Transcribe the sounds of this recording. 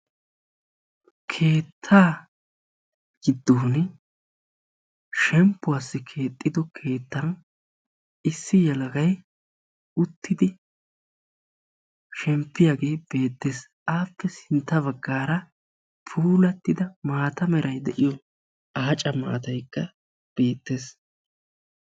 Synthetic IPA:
kʰe̞ːt̪ʰːaː | ɡ̥ɪd̪ːoːn | ʃɛmpːʊaːsːɪkʰeːt̪ʼːɪd̪ɔkʰe̞ːt̪ːɐn | ɪsːɪjɛlɐɡɐj | ʊt̪ʰːɪd̪ɪ | ʃɛmpːɪjaːɡe̞ːb̥e̞ːt̪ːe̞ːs | ʔaːpːɛsɪnt̪ːɐβɐɡːaːɾɐ | pʰuːlɐt̪ːɪd̪ɐmaːt̪ɐmɛɾʔɐjd̪ɛʔɪjɔ | aːt͡ʃʼɐma̰ːt̪ɐjkːɐ | b̥e̞ːt̪ːe̞ːs

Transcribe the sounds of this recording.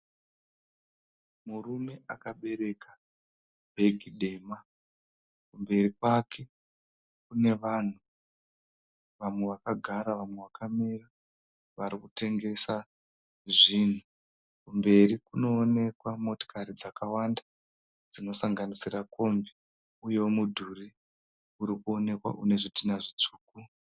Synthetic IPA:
murume̞akaɓe̞ɾe̞ka | bʱe̞ɡʱiɗe̞ːma | kumbe̞rikwakʰe̞ | kune̞ʋan̤u | ʋamwe̞ʋakaɡʱaɾaʋamwe̞ʋakamira | ʋaɾikute̞ŋɡe̞sa | ʐin̤u | kumbe̞rikuno̞ːne̞kwamo̞to̥kaɾid͡zakawanda | d͡zino̞saŋɡanisirakʰo̞mbi | ujewomudʱuri | uɾikuo̞ne̞kwa̰ʔune̞ʐitinaʐit͡ʂu̥ːku

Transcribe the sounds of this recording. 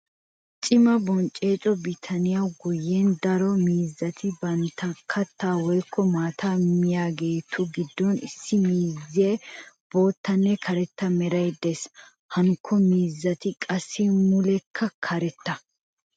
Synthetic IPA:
t͡ʃʼɪmɐbɔnt͡ʃʼːe̞ːt͡ʃʼɔbɪt̪ʰɐnɪjawɡʊjːend̪ɐɾɔmiːzːɐt̪ʰɪbɐnt̪ʰːɐkʰːɐt̪ːaːwɔjkʰːɔmaːt̪ʰaːmɪjaːɡe̞ːt̪ʰʊɡɪd̪ːɔnɪ̰sːɪmiːzːeːb̥o̞ːt̪ːɐnːɛkʰɐɾɛt̪ːɐmɛɾɐjd̪ːes | hɐŋkʰːɔmiːzːɐt̪ɪkʼɐsːɪmʊlɛkʰːɐkʰɐɾɛt̪ːɐ

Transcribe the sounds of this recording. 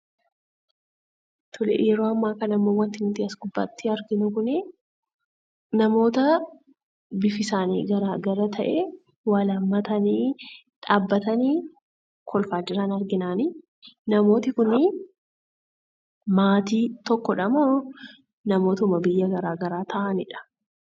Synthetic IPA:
t̪ʰʊlɛ̰jɛɾoːɐmːaːkɐnɐmːo̞ːwɐnt̪ɪnʊt̪ɪɐsɡʊbːa̰ːt̪ːɪɐɾɡɪnʊkʊnɛ | nɐmo̞ːt̪ɐ | bɪfɪsaːnḭːɡɐɾaːɡɐɾɐt̪ʰɐʔɛ | wɐlɐmːɐt̪ɐniː | ᶑaːbːɐt̪ɐniː | kʰɔlfaːd͡ʒɪɾanɐɾɡɪnaːni | nɐmo̞ːt̪ɪkʊnɪ | maːt̪iːt̪ɔkːɔᶑɐmoː | nɐmoːt̪mɐbɪjːɐɡɐɾaːɡɐɾaːt̪ʰɐʔɐnɪᶑɐ̥

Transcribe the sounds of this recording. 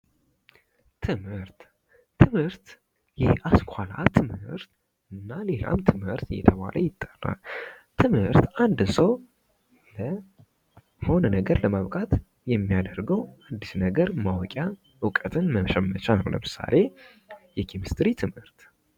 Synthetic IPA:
t̪ʰɨmhɨɾt̪ːʰ | ɨmhɨɾt̪ | jɛhaskʷʰala̰t̪ʰɨmhɨɾt̪ | ɨnːale̞la̰mt̪ʰɨmhɨɾt̪jɛ̰t̪ʰəβa̰lʔəjɪt̪ʼːərːa̰l | t̪ʰɨmhɨɾt̪and̪ɨsəw | lə | ho̞nənəɡəɾləmaβkʼat̪ | jɛmːijad̪əɾɡəwad̪ːisnəɡəɾmawɔkʼja | ɨkʼət̪ʰɨnməʃɛmːət͡ʃanolə̰mɨsa̰le̞ | jɛkʰimist̪ʼɾit̪ʰɨmhɨɾt̪

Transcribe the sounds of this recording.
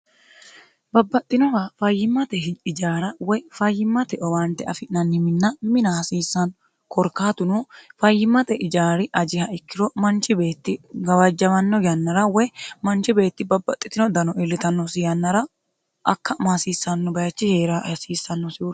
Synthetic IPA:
bɐbːɐt̪ʼːɪnɔwafɐjːɪmːɐt̪ɛɪd͡ʒaːɾɐwɔfɐjːɪmːɐt̪ɛʔɔwɐnt̪ːɛʔɐ̰fɪʔnɐnːɪmɪnːɐmɪnɐhɐsiːsːɐn | kɔɾkːaːt̪ʊnufɐjːɪmːɐt̪ɛʔɪd͡ʒaːɾɪʔɐd͡ʒɪhɐɪkːɪɾɔmɐnt͡ʃɪbe̞ːt̪ːɪɡɐwɐd͡ʒːɐmɐnːɔɡɪjɐnːɐɾɐwɛmɐnt͡ʃɪbe̞ːt̪ːɪbɐbːɐt̪ʼːɪ̥t̪ɪnɔd̪ɐnɔɪlːɪt̪ɐnːɔsɪjɐnːɐɾɐ | ʔɐkːɐmasiːsːɐnːɔbɐjɐt͡ʃːɪheːɾɐhɐsiːsːɐnːɔsɪu

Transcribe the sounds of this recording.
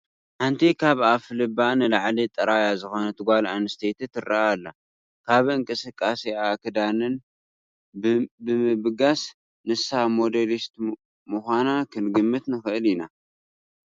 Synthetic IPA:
ħant̪ʰikʰaβaflɨbanɨlaʕlit̪ʼɐɾajazɨxo̞nɐt̪ʰɨɡʷalanɨst̪ʰet̪ʰit̪ʰɨraʔalːa | kʰaβɨŋkʼɨsɨkʼːasiakʰɨd̪anɨn | bɨmɨβɡas | nɨsamo̞d̪elist̪ | muxʷanakʰɨnɡɨmːɨt̪nɨxɨʔɨlina

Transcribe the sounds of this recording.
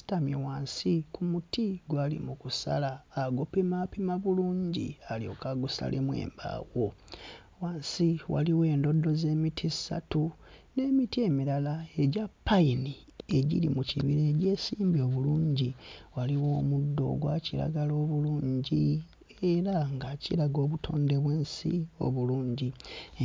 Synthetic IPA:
stamiwaːnsikumutiɡwaːlḭmukusa̰laːɡopemapimaβuluːɲɟḭalio̞̰kaɡusa̰lʔemwe̞̰ːmba̰wo̞ | waːnsiwa̰liwe̞ːndo̞do̞ze̞ːmitʰisa̰tune̞ːmitiemilalae̞ɟapːaini | e̞ɟḭlimuciβiɾeːɟe̞ːsiːmbio̞βuluːɲɟiwaliwo̞ːmudːo̞̰ɡwaciɾa̰ɡalo̞ːβuluːɲɟi | eɾaŋɡacilaɡo̞ːβutʰo̞̰ːnde̞βweːnsḭo̞̰βuluːɲɟi

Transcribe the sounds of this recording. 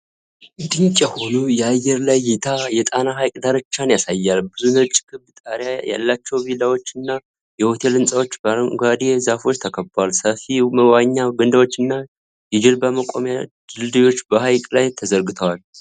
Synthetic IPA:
d̪ɨɲt͡ʃʼɛhulujɛajːɛɾlajːɛt̪ʰajɛt̪ʼanaɦajkʼd̪aɾət͡ʃːanjasajːalbɨzunət͡ʃʼːkʰɨβbt̪ʼaɾjaja̰lːat͡ʃːɛwbilawo̞t͡ʃːɨnːa | jɛho̞t̪ʰe̞lɨnsʼawo̞t͡ʃːɡad̪ezafo̞t͡ʃːt̪ʰəkʰəbwalsəfiməwaɲːaɡɨnd̪awo̞t͡ʃːɨnːa | jɛd͡ʒɪlbəməkʼomjad̪ɨld̪ɨjo̞t͡ʃːbəhajkʼlajt̪ʰəzəɾɡɨt̪ʰəwal

